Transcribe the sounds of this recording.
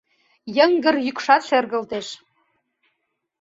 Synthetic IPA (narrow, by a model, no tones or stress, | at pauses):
jə̆ŋɡə̆rjykʃɑt̪ʃĕrɣə̆lt̪eʃ